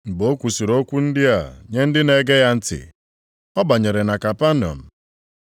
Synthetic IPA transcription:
m̩˨ɡ͡bo˨˦kʷu˨si˨ɾo˦kʷu˦n̩˦dɪ˦a̰˨ɲe˦n̩˦dɪ˦ne˨ɡe˦ja˦n̩˦tɪ̰˨ | ɔ˦ba˨ɲe˨ɾe˨na˨ka˨pa˦n˨ɔ̰˨m̩˨

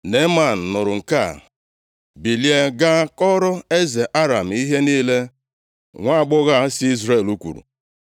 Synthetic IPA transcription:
ne˦ma˨n̩˨nʊ˨ɾʊ˨ŋ̩˨ka˦˨ | bi˨li˦e˦ɡa˦kɔ˦ɾɔ˦e˦ze˨ʔa˦ɾa˨m̩˨i˦ɦe˦niː˦le˦ | ŋʷa˦a˦˨ɡ͡bʊ˦ɣa˦si˦i˦zɾe˦˨lu˦kʷṵ˨ɾṵ˨

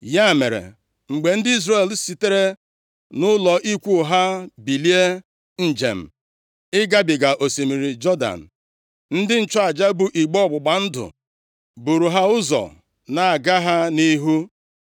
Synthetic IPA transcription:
ja˦˨mḛ˨ɾḛ˨ | ŋ͡m̩˨ɡ͡be˨n̩˦dɪ˦i˦z̬ɾe˨lsi˨te˦ɾe˦ | nʊ˦lɔ˨ʔi˦kʷu˦˨ɦa˦bi˨li˦e˦ | n̩˨d͡ʒḛ˨m̩˨ | ɪ˦ɡa˦bɪ˨ɡa˨ʔo˨si˨mi˨ɾi˨d͡ʒɔ˦da̰˨n̩˨ | n̩˦dɪ˦n̩˨t͡ʃɔ˦a˨d͡ʒa˦bu˨ʔi˨ɡ͡bɔ˦˨ɡ͡bʊ˨ɡ͡ba˨n̩˦dʊ̰˨ | bu˨ɾu˨ɦa˦ʊ˦zɔ̰˨ | na˨a˨ɡa˦ɦa˦ni˦ɦu˦

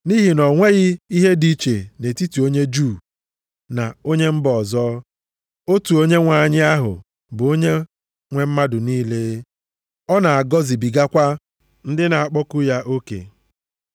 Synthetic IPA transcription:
ni˦ɦi˨nɔ˨ŋʷe˦ɣɪ˦i˦ɦe˦di˦t͡ʃe˨ne˨ti˦tu˨o˦ɲe˦d͡ʒu˦˨ | na˨o˦ɲe˦m̩˦bɔ˨zɔː˦ | o˦tu˨o˦ɲe˦ŋʷa˨ɲɪ˦a˦ɦʊ̰˨ | bʊ˨o˦ɲe˦ | ŋʷe˦m̩˦ma˦dʊ˨niː˦le˦ | ɔ˦na˨a˨ɡɔ˦zɪ˨bi˨ɡa˦kʷa˦ | n̩˦dɪ˦na˨a˨k͡pɔ˦kʊ˦ja˦ʔo˦kḛ˨

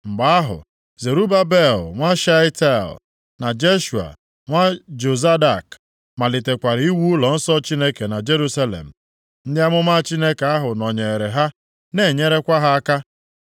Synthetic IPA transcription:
m̩˨ɡ͡ba˨a˦ɦʊ̰˨ | ze˨ɾu˦ba˦be˦˨lŋʷa˦ʃa˦jta˦˨l | na˨d͡ʒe˦ʃu˨a̰˨ | ŋʷa˦d͡ʒo˨za˦da˨k | ma˨lɪ˨te˨kʷa˨ɾɪ˨i˦wu˦lɔ˨n̩˦sɔ˦t͡ʃi˦ne˦ke˨na˨d͡ʒe˦ɾu˦sa˦lḛ˨m̩˨ | n̩˦dɪ˦a˦mʊ˦ma˦t͡ʃi˦ne˦ka˦ɦʊ˨nɔ˨ɲe˨ɾe˨ɦa˦ | ne˨ɲe˦ɾe˦kʷa˦ɦa˦a˦ka˦

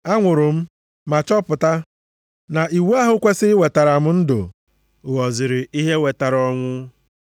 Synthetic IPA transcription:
a˦ŋʷʊ˨ɾʊ˨m̩˦ | ma˨t͡ʃɔ˦pʊ˨ta˦ | na˨ʔi˨wu˦a˦ɦʊ˦kʷe˦sɪ˦we˨ta˨ɾa˨mʊ˦n̩˦dʊ̰˨ | ʊ˨ɔ˨zɪ˨ɾɪ˨ʔi˦ɦe˦we˨ta˨ɾɔ˦ŋʷʊ˦

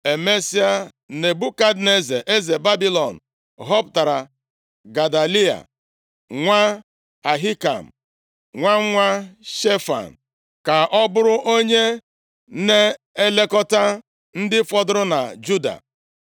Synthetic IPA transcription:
e˨me˦si˦a˦ | ne˨bu˦ka˦dne˦ze˨ʔe˦ze˨ba˦bi˦lɔ˨n̩˨ | ɦɔ˦p̚ta˨ɾa˨ | ɡa˨da˨li˦a̰˨ | ŋʷa˦ | a˨ɦi˦ka̰˨m̩˨ | ŋʷa˦ŋʷa˦ʃe˦fa̰˨n̩˨ | ka˨ʔɔ˦bʊ˦ɾʊ˦ʔo˦ɲe˦ | ne˦ | e˦le˦kɔ˦ta˦ | n̩˦dɪ˦fɔ˦dʊ˦ɾʊ˦na̰˨d͡ʒu˦da̰˨

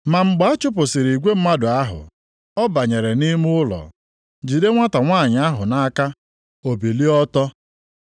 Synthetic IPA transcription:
ma˨ŋ͡m̩˨ɡ͡ba˨˦a˦t͡ʃʊ˦p̬ʊ˨sɪ˨ɾi˨ɡʷe˦m̩˦ma˦dʊ˨a˦ɦʊ̰˨ | ɔ˦ba˨ɲe˨ɾe˨ni˦mʊ˦ʊ˦lɔ̰˨ | d͡ʒi˨de˦ŋʷa˦ta˨ŋʷaː˦˨ɲ˨a˦ɦʊ˨na˦ka˦ | o˨bi˨li˦ɔ˦tɔ˦

